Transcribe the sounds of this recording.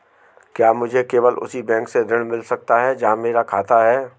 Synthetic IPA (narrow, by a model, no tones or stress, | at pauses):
kjaːmʊd͡ʒʱekeːʋəlʊ̰sibɛ̃ːŋksed̪ʱɪɽ̃mɪlsɐk̚t̪aɦɛd͡ʒaãmeːɾakʰaːt̪aɦɛː